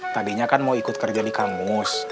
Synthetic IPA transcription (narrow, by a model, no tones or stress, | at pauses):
t̪adiɲakanmawikʊt̪̚kərd͡ʒadikamʊs